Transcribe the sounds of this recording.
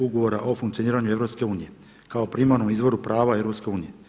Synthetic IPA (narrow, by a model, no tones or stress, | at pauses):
uɡoʋo̞ɾaʔo̞fuŋkt̪ijo̞niːɾaɲue̞vɾo̞pske̞uːnije̞ | kaopɾimaɾnomizʋo̞ɾupɾaːʋae̞vɾopske̞uːnije̞